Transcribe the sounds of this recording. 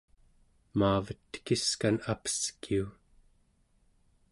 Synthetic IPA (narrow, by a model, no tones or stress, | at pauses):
maːvət̪ːə̥kiskanapə̥skiu